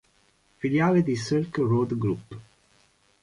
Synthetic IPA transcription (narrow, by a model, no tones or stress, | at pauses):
filjaːled̪isilkrod̪ɡɾupː